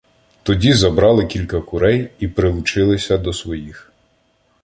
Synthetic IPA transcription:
t̪ɔdʲizɐbɾɑlˠɪkʲilʲkɐkʊɾɛjipɾɪlˠʊt͡ʃɪlˠɪsʲɐd̪ɔsʋɔjix

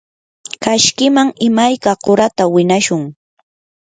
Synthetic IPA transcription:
kaʃkɪmaŋɪmajkaɢʊɾat̪awɪnaʃʊŋ

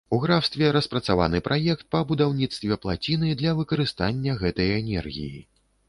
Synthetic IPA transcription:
uɣɾawst̪vʲɛɾɐspɾɐt̪sava̰nɨpɾʔajɛkt̪̚pɐbud̪awnʲit̪st̪vʲɛplˠat͡sʲinɨd̪lʲɐvɨkɐɾɨst̪anʲːɐɣɛt̪ɐjɛnʲɛ̰rɣʲḭjḭ

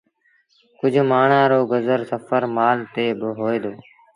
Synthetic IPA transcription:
kʊd͡ʒʱmaːɳãːɾoːɡəzəɾsəfəɾmaːlt̪eːbəɦoːeːd̪oː

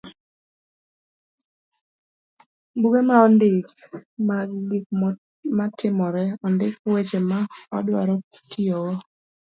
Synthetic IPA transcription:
buɡemaɔndɪkmaik̚ | matɪmɔɾɛɔndɪkwet͡ʃemaɔ̰dwa̰ɾɔ | tiowo

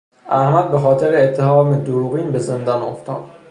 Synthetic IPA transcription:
ʔæhmæd̪̚bexɒːt̪ʰeɾeːt̪ʰːehɒːmed̪oɾuːɣiːnbe̞ze̞nd̪ɒnoft̪ʰɒ̰ːd̪̥

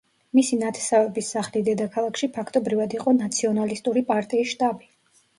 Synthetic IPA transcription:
misinat̪ʰɛ̥savɛbisːaχlid̪ɛd̪akʰalˠakʰʃipʰakʰt̪ʼɔbɾivad̪iqʼɔnat̪sʰiɔnalist̪ʼuɾipʼaɾt̪ʼiːsʃt̪ʼabi

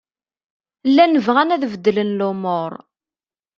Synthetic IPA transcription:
lːænəvʁænæðvəd̪ːlənlʊmoɾˤ

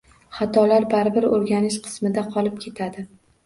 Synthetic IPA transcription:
χɑt̪ʰɒlaɾbaɾɪbɪɾoɾɡʲanɪʃqʰɨ̥smɪd̪aqʰɒlˠɪp̚kʲʰe̞t̪ʰad̪ɪ

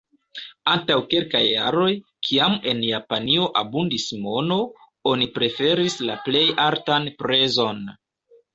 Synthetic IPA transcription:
antawke̞lkajːa̰ɾo̞jkʰiame̞njapanio̞ʔabundismo̞no̞ | onipɾe̞fe̞ɾislaple̞jaɾtanpɾe̞zo̞n

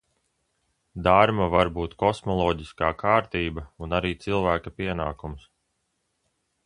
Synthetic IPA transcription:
d̪aɾmavaɾbuːt̪kɔsmɔlˠɔːɟiskaːkʰaːɾt̪iːbɐunaɾiːt̪silˠvæːkapiɛnaːkums

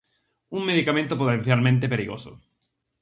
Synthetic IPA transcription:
uŋmeðikamẽnt̪opot̪ẽnθjalmẽnt̪epeɾiɣoso̰

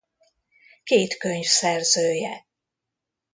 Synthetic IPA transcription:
keːt̪køɲfsɛrzøːjɛ

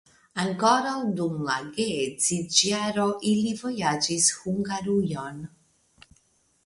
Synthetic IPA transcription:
aŋkɔːɾad̪umlaɡed̪zid͡ʒjaɾɔʔilivɔjad͡ʒishuŋɡaɾujɔn

